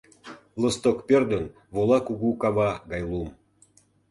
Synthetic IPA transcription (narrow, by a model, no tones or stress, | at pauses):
lŏst̪okpʲerd̪ən | volˠɑkuɣukɑβɑɡɑjlˠum